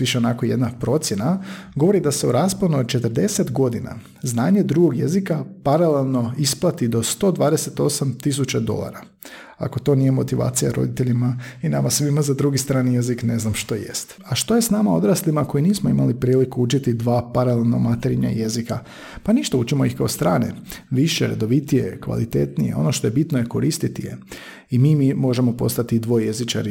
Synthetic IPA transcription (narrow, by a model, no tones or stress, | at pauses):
ʋiʃeonako̞je̞d̪napɾo̞t̪sje̞naɡo̞ʋo̞ɾid̪ase̞uɾaːsponut͡ʃe̞t̪əɾd̪eset̪ɡo̞d̪ina̰ | znaːɲe̞d̪ɾuɡo̞ɡjḛzikapaɾale̞lˠno̞isplˠat̪id̪o̞st̪o̞ːd̪ʋaːd̪ese̞t̪o̞samt̪is̬ut͡ɕad̪o̞̰lˠa̰ɾa | a̰ko̞t̪o̞nije̞mo̞t̪iʋa̰ːt̪sija̰ɾo̞̰d̪it̪e̞ʎimainamasʋimazad̪ɾuɡist̪ɾaːnijezikne̞znamʃt̪o̞jḛst̪ | aʃt̪o̞jesnamao̞d̪ɾaslimako̞jiniːsmoimalipɾiːlikuut͡ʃit̪id̪ʋaːpaɾalelˠna̰mat̪eɾiɲa̰je̞zika | paniʃt̪aut͡ʃimo̞ixkaost̪ɾaːnḛʋiʃeɾḛd̪o̞ʋit̪ijḛkʋa̰lḭt̪e̞̰t̪nijḛo̞̰no̞ʃt̪o̞je̞bit̪noje̞ko̞ɾist̪it̪ijḛ | imiːmimo̞ʒemo̞po̞̰st̪at̪id̪ʋo̞ejezit͡ʃa̰ɾi